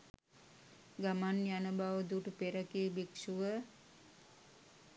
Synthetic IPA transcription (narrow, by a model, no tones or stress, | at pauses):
ɡamanjanəbaʋəd̪uʈəpeɾəkiːbekʃuʋə